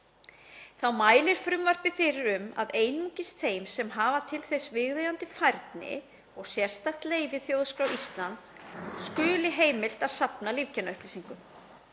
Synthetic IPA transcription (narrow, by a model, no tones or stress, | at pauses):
θawmaːjlɪɾ̥fɾʏmvar̥pɪfɪɾɪɾʏma̰ðeːjnucɪst̪θejmsɛmɦaːvat̪ʰɪlθɛsvɪɣðejant̪ɪfajɾt̪nɪ̰ | ɔɣsjɛr̥st̪aht̪leːjvɪθjowðskɾawist̪lant̪ | skʏːlɪɦeːjmɪl̥t̪aðsapnaliv̥cʰɛnaœhplisiŋkʏ